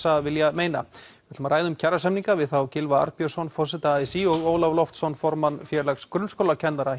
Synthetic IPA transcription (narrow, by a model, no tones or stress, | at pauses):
savɪljameːjna̰vɪɾt̪ʏmɾaːjðʏmcʰaɾasɛmniŋkavɪðθawcɪlvaa̰ɾpijœsɔnfɔsɪt̪aaːjsiɔɣoːwlavlɔft̪sɔnfɔɾmanfjɛːɾlakskɾʏnskowlacʰɛnðaɾa